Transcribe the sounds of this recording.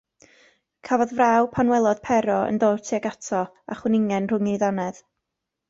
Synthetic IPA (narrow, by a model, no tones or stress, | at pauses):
kʰavɔðvrawpʰanwɛlˠɔd̥pʰɛɾɔə̰ndoːtʰiaɡatʰɔ | a̰χwɛnɪŋɛnr̥ʊŋiðanɛð̥